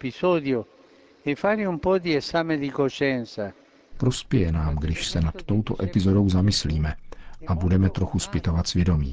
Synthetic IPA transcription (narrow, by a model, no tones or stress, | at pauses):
pisɔːd̪jo | ɛfaːɾiumpɔd̪iesaːmed̪ikoʃɛnsa | pɾospjɛjɛnaːmɡdɪʃsɛnat̪ːo̞wt̪oʔɛpɪzodo̞wzamɪsliːmɛʔabudɛmɛt̪ɾoxuspɪt̪ovat̪svjɛdo̞mḭː